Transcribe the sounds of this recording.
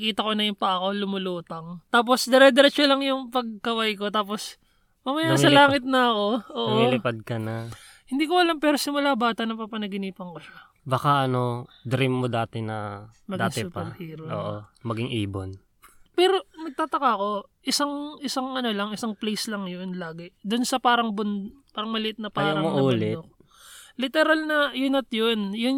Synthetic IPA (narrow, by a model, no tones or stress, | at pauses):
kiːt̪ɐko̞nɐjʊŋpɐʔɐko̞lʊmʊluːt̪ɐŋt̪aːp̬o̞sd̪ɛɾɛd̪ɛɾɛt͡ʃolɐŋjʊŋpɐɡ̚kɐwajko̞t̪aːp̬o̞s | mɐmɐjasɐlaːŋɪt̪̚nɐɐko̞ʔoːʔʔoilɪpad̪̚kɐnɐ | hɪnd̪iːkoʔɐlampɛːɾo̞sɪmʊlabaːt̪ɐnɐpapɐnɐɡɪniːpɐŋkoʃa | baːkaʔɐno̞ | d̪ɾimːod̪aːt̪ɛnɐmɐɡd̪aːŋt̪ɛpahiːɾoʔo̰ːʔomɐɡɪŋʔiːbon | pɛːɾo̞nɐɡ̚t̪aːt̪ɐkako̞ʔɪsaŋʔɪsaŋʔɐno̞lɐŋɪsaŋplɛjslɐŋjonlaːɡɪd̪ʊnsɐpaːɾɐŋbʊnd̪paːɾɐŋmɐlɪʔɪt̪̚nɐpaːaɾɐŋmoʔɐuːlɛt̪ok | lɪt̪ɛɾɐlnɐjʊnɐt̪jonjʊn